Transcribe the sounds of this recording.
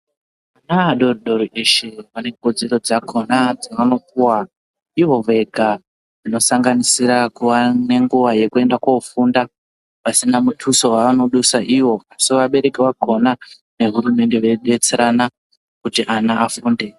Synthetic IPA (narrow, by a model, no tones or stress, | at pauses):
anaːɗo̞roɗo̞ɾoʔeʃeʋane̞ko̞d͡zeɾo̞d͡zaɡʰʱo̞nad͡zaʋano̞p̚uwa | iʋo̞ʋe̞ɡʱa | rino̞saŋɡanisiɾakuʋane̞ŋɡuʋaje̞kue̞ndakwofunda | pasinamutʰuso̞waʋano̞ɗusaʔiwo̞asiʋaɓe̞ɾe̞kiʋaɡʱo̞na | ne̞ɦuɾume̞nde̞ʋe̞ɓe̞t͡seɾana | kutiʔanaafuːnde̞